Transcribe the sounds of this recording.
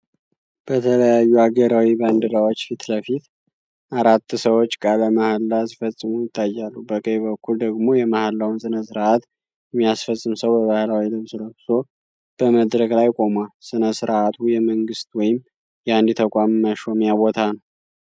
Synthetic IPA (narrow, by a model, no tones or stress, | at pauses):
b̥ət̪ʰələjajːuaɡəɾawiband̪ɨɾawot͡ʃːfit̪ləfit̪ | aɾat̪ːsəwo̞t͡ʃːkʼaləmahlːasifəsʼːɨmujɪt̪ʰʼːajːalːubəkʼəjβəkʰːuld̪əɡmo̞jɛmahlːawunsɨnəsɨɾʔat̪ | jɛmːijasfəsʼːɨmsəwbəβahɨlawilɨβsɨləbso̞ | b̥əməd̪ɾəklajkʼo̞mwalsɨnəsɨɾʔat̪ʰujɛməŋɡɨst̪wɔjɪm | jɛand̪it̪ʰəkʼamːəʃo̞mjabo̞t̪ʰanəw